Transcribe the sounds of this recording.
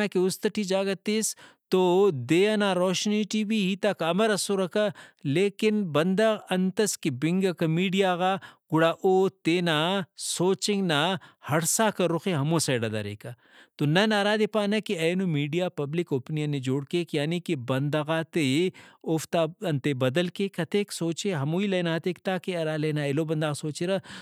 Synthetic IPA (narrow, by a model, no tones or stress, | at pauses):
akiʊst̪ɐʈʰid͡ʒaːɡɐt̪ist̪od̪eːanaːɾɔːʃniʈibʱiɦit̪ɐkɐmɐɾɐsoɾɐkaleːkɪnbɐnd̪ɐɣɐnt̪ɐskibɪ̃ŋɡɐkɐmiːɖijaːɣaːɡ̥ʊɽaːʔoːt̪eːnasoːt͡ʃɪ̃ŋɡnahɐɽsaːkɐɾʊxeɦɐmosɐːɖɐd̪a̰ɾḛːka | t̪onɐnaːɾaːd̪epaːnɐkiɐːnomiːɖijaːpɐblɪkoːpnijɐned͡ʒoːɽkekjaːnikibɐnd̪ɐɣaːt̪eoft̪aːɐnt̪ebɐd̪ɐlkekɐt̪eːksoːt͡ʃeɦɐmuːileːnaːt̪ekt̪aːkeɐɾaːleːnaːelobɐnd̪aːɣsoːt͡ʃeɾa